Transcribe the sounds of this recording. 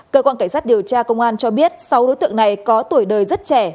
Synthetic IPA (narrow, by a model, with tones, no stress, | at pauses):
kəː˧kwaː˧nka˧˩ŋ̟saː˦˥t̚ɗi˨˩əwt͡ɕaː˧kə˧wŋ͡mʔaː˧nt͡ɕɔ˧ɓi˦˥ət̚sa˨˦wɗo˨˦jt̪ɨ̰˧˨ə˨ŋna˨˩jkɔ˨˦t̪u˧˩əjɗəː˨˩jzt̚t͡ɕɛ˧˩